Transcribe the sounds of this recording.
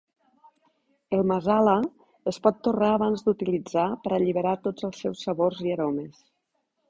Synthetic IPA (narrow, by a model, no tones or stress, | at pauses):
əlˠməzalə | əspɔt̪ːuraːβ̞anzd̪ut̪ilid͡zapəɾəʎiβəɾat̪od͡zəlˠsɛwsːəβorziəɾoməs